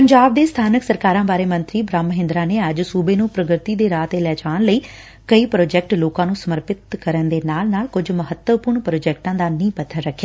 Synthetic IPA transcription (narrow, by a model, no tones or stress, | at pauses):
pəɲd͡ʒaːb̚d̪eːst̪ʰaːnəksəɾkaːɾãːbaːɾeːmə̃nt̪ɾiːbɾaːmːəɦɪ̃nd̪ɾaːneːəd͡ʒsuːbeːnũːpɾəɡɾɪt̪iːd̪eːɾaːt̪eːlɛːd͡ʒaːnləiː | kəiːpɾoːd͡ʒɛːk̚ʈloːkãːnũːsəməɾpɪt̪kəɾənd̪eːnaːlnaːlkʊd͡ʒməɦət̪wəpʊɾɳpɾoːd͡ʒɛːk̚ʈãːd̪aːnĩːpət̪ʰːəɾːəkʰːjaː